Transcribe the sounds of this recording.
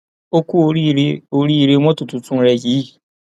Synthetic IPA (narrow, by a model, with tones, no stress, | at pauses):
o˦ku˦ɾi˦o˦ɾi˦˨˦ɾe˦mʷo˦tu˨tu˨tu˦n̩˦ɾe˦ɣi˦˨